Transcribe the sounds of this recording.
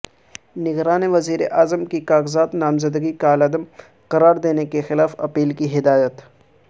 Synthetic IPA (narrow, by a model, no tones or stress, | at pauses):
nɪɡɾaːneʋɐziːɾeʔaːzəmkikaːɣzaːd̪naːmzəd̪əɡikaːlɐd̪əm | qɐɾaːɾd̪eːnekexɪlaːfɐpiːlkiɦɪd̪aːjət̪